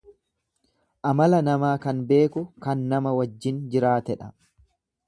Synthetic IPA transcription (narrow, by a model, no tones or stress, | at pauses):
ʔɐmɐlɐnɐmaːkɐnbe̞ːkʊkɐnːɐmɐwɐd͡ʒːɪnd͡ʒɪɾaːt̪ɛᶑɐ̥